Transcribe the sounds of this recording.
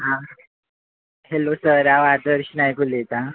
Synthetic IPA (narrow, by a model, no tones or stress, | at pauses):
ɦã | helosəɾaʋad̪əɾɕnajkulet̪a